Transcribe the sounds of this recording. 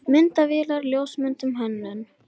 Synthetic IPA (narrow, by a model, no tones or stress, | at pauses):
mɪnt̪avɪːlaɾljoːwsmʏnt̪ʏmɦɛnːʏn